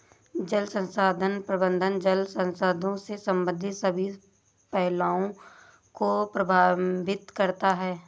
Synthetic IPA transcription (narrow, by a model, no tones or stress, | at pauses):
d͡ʒəlsə̃nsaːd̪ʱənpɾəbə̃nd̪ʱənd͡ʒəlsə̃nsaːd̪ʱõsesə̃mbə̃nd̪ʱɪsəbʱi | pɛɦlaːõ | kopɾɐbʱaːbɪt̪kɐɾt̪aɦɛː